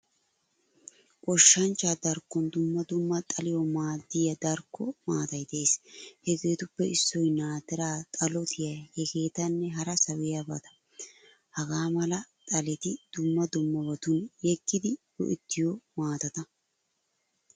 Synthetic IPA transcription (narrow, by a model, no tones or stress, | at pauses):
kʼɔʃːɐnt͡ʃːaːd̪ɐɾkːɔnd̪ʊmːɐd̪ʊmːɐt̪ʼɐlɪjɔmaːd̪ːɪjɐd̪ɐɾkːɔmaːt̪ɐjt̪e̞ːshɛke̞ːt̪ʊpːɛɪsːɔjnaːt̪ɛɾaːt̪ʼɐlɔt̪ʰɪjɐhɛke̞ːt̪ɐnːɛɦɐɾɐsɐwɪjɐbɐt̪ɐ̥ | hɐɡaːmɐlɐt̪ʼɐlɛt̪ɪd̪̥ʊmːɐd̪ʊmːɐbɐt̪ʊnjɛkːɪd̪ɪ | ɔ̰ʔɪ̰t̪ːɪjɔmaːt̪ɐt̪ɐ